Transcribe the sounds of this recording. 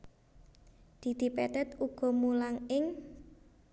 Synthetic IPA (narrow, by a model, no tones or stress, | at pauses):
d̪̥i̤d̪̥i̤pɛt̪ɛt̪uɡ̥ɔ̤mulaŋɪŋ